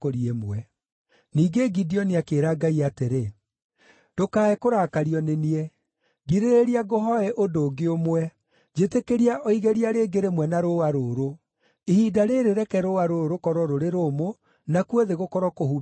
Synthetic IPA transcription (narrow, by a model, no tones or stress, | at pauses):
oɾiemwɛ | niːɡeɡidiɔneakeːɾaɡaiateɾe | d̥okaːɛkoɾaːkaɾiɔneniɛ | ɡiɾeɾeɾiaɡoɦɔɛʔodoːɡeomwɛ | d͡ʑetekeɾiaʔɔiɣeɾiaɾeːɡeɾemwɛnaɾowaɾoːɾo | ihiːdaɾeɾeɾɛkɛɾowaɾoɾokɔɾɔɾoɾeɾomo | nakueðeɣokɔɾɔkohu